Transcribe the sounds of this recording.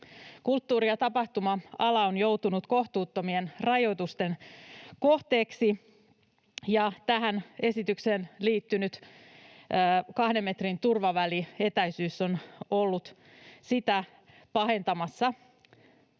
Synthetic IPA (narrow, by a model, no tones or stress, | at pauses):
kult̪ːuːɾiɑt̪ɑpɑht̪umɑɑlɑonjo̞wt̪unut̪ko̞ht̪uːt̪ːo̞mie̞nrɑjo̞jt̪ust̪e̞nko̞ht̪e̞ːksi | jɑt̪æɦæne̞sit̪ykseːnliːt̪ːynyt̪ː | kɑhde̞mːe̞t̪rint̪urʋɑʋælie̞t̪æjsyːsːo̞no̞lːut̪ | sit̪æ | pɑɦe̞nt̪ɑmɑsːɑ